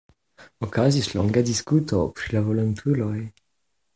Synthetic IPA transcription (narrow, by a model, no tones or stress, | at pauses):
ɔkazislɔ̃ŋɡad̪iskut̪ɔpɾilavɔlɔnt̪ʰulɔj